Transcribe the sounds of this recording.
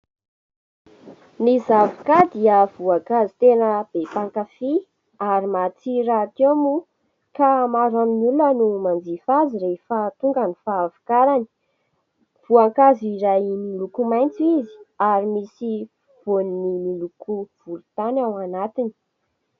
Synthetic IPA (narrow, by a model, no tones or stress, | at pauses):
nizavu̥kad̪iəvuakazit̪enəb̥epaŋkafi | aɾimat͡siɾat̪emu | kamaɾanimulənumand͡zifaziɾefat̪uŋɡanifaːvu̥kaɾani̥ | v̥uaŋkaziɾajnilukumajnt͡sizi̥aɾimisi | v̥oninimilukuv̥ulut̪anawanat̪ini̥